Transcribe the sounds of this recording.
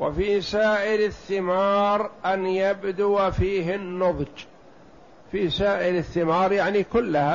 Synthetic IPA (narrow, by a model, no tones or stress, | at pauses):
wa̰fisaːʔɪɾɪθːɪmɑːɾˤʔanjabd̪uwafiːɦɪnːʊðˤd͡ʒ | fisaːʔɪɾɪθːɪmɑːɾˤjaʕnikʊlːaha